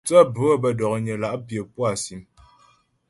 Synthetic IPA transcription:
t͡sə˦bə˨˦˨bə˨dɔ˨k̚ɲə˨la˨ʔpjə˨pwa˨si˨˦m

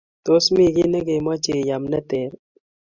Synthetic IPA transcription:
t̪o˨˦smi˦˨ɡi˦ne˦ɡe˨ma˦t͡ʃe˨ja˨mne˦t̪e˨ɾ

